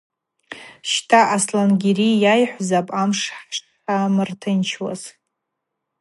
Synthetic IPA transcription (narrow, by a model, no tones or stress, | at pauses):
ʃtʰaʔaslanɡʲeɾijajħʷzapʼamʂħʂ | ħamɨrtʰɨnt͡ʃʰwa̰z